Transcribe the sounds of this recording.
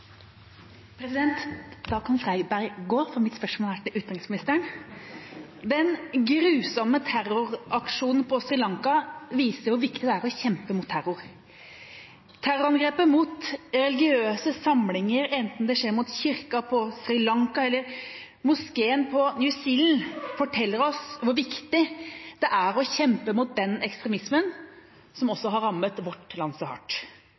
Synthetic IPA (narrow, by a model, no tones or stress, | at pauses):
pʰɾɛsɪd̪ɛnt̪d̪ɑːkʰɑnfɾæɪɡbæɾɡoːfɔɾmɪt̪spœʂmolæʈ̪ɪlʔʉːt̪ɑnɪsmnɪst̪əəɳ | d̪ɛnɡɾʉːsɑmːət̪ʰæɾʊɾʔɑkʂuːnn̩pʰɔsɾɪlɑŋkɑʋiːsəɾʋʊʋɪkt̪ɪd̪ɛæːɾɔçɛmpəmʊt̪ʰːæɾʊɾ | t̪ʰæɾʊɾɑnɡɾeːpəmʊt̪ɾɛlɪɡɪøːsəsɑmlɪŋəɾɛnt̪n̩d̪ɛʂeːɾmʊt̪çɪɾkɑpʰɔsɾɪlɑŋkɑɛlːəɾ | mʊskeːənpʰɔnjʉsiːln̩fɔʈʰɛlːəɾɔsʋʊɾʋɪkt̪ɪd̪̥ɛʔæɾɔçɛmpəmʊt̪̚d̪ɛnɛkst̪ɾɛmɪsmən | sɔmɔsːɔɦɑɾɑmət̪ʋɔʈlɑnsɔhɑ̰ʈː